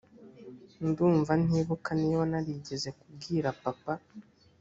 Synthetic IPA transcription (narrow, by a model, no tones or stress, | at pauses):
nduːɱvan̥iːβukaniːwanaɾiɟe̞ze̞kubɡiːɾapapa